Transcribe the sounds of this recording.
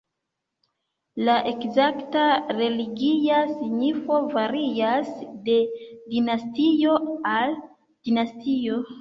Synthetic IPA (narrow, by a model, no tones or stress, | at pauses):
laʔe̞kzaktaɾe̞liɡiasiɲifo̞vaɾiasde̞dinastijo̞al | d̥inastio̞